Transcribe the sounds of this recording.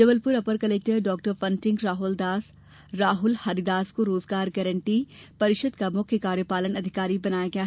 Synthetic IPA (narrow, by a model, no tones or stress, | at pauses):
d͡ʒɐbəlpʊɾɐpəɾkɐleːk̚ʈəɾɖɔːk̚ʈəɾfɐ̃nʈɪ̃ŋɡɾaːɦʊld̪aːs | ɾaːɦʊlhaːɾid̪aːskoɾoːzɡaːɾɡɛɾə̃ɳʈipɐɾɪʃəd̪kamʊkʰjəkaːɾjəpaːlənɐd̪ʱɪkaːɾibɐnaːjaɡɐjaːɦ